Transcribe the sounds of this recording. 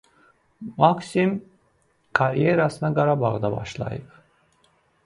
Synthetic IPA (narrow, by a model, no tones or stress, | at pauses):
maksim | kʰaɾjeɾasɯnaɡaɾabɑʁd̪abɑ̰ʃlˠɑ̰jɯp̚